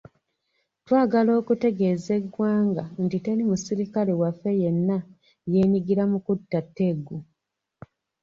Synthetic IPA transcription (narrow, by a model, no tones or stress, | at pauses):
twaːɡalo̞ːkute̞ɡe̞ːze̞ɡwaːŋɡantite̞ɾimusiɾikalewafːe̞je̞nːa | je̞ːɲiɡiɾamukutːatːe̞ɡːu